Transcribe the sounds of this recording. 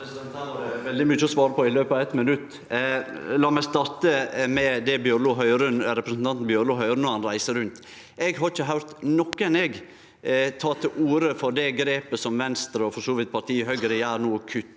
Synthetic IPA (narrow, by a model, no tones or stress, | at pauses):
ɛsd̪ɛt̪ʰɑːɾʋɛld̪ɪmyːt͡ʃːəɔsʋɑːɾəpʰɔɪløːpəɑʋɛt̪mɪnʉt̪ː | lɑːmɛst̪ɑɾt̪əmɛd̪ɛbjøːɾluːɦœʏɾʉnɾɛpɾəsn̩ɑnt̪n̩bjøːɾluːɦœʏɾnhɑnɾæɪsəɾʉnt̪ | ɛɡɦɑɾɪçəɦɑʉɾt̪nɔkːəɛnɛɡ | t̪ʰɑːt̪ʰɪlʔuːɾəfɔɾd̪ɛɡɾeːpəsɔmʋɛnst̪ɾəɔfɔʂoːʋɪt̪̚pʰɑɾt̪ʰiːhœɡəɾɪæːɾnuːkʰʉt̪ː